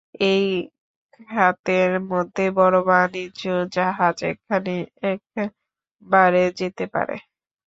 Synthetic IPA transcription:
ejʰ | at̪eɾmod̪ʱːebɔɾobanid͡ʒod͡ʑaɦad͡ʑḛkʰaneɛk̚ | baɾed͡ʑet̪epa̰ɾḛ

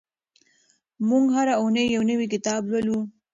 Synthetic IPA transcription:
muŋɡɦaɾaunəjːawnəwik̬ɪt̪ɑblwalu

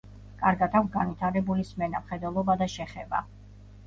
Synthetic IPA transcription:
kʼaɾɡat̪ʰaksɡanvit̪ʰaɾɛbulismɛna̰mχɛd̪wɛlˠɔbad̪aʃɛχɛba̰

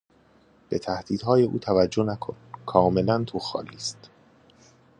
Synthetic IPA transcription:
b̥e̞t̪ʰæhd̪̥iːd̪hɒːje̞ʔuːt̪ʰævæd͡ʒːo̞nækʰonkʰɒːme̞lænt̪ʰoxɒ̰ːliːst̪

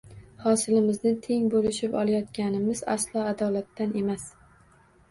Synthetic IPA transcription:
hɒsɪlɪmɪznɪt̪ʰe̞ŋbolɪʃɪpɒlˠajɒt̪kʲanɪmɪza̰slˠɒad̪ɒlat̪ʰːanʔe̞mas

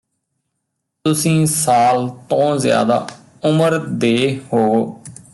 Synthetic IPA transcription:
t̪ʊsĩːsaːlt̪õːzja̰ːd̪a̰ː | ʊməɾd̪eːhoː

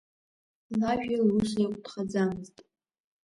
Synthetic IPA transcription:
laʒᶣalusekʷʼd̥χad͡zamɨztʼ

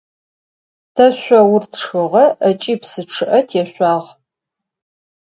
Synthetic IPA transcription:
tʰɐɕʷɐwʊrtʰʂxɨʁɐɐt͡ʃʼiːpsɨʈ͡ʂʰɨʔɐtʰjɛɕʷɑːʁ

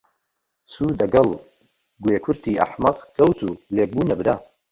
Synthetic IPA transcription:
suːd̪ɐɡɐlˠ | ɡweːkʰʊɾt̪ʰiːʔɐ̰ħmɐqkʰɐwt̪ʰuːleːk̚buːnɐbɨd̪aː

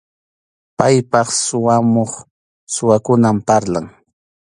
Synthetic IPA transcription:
pajpɑχsʊwamoχ | sʊwakʊnampaɾlaŋ

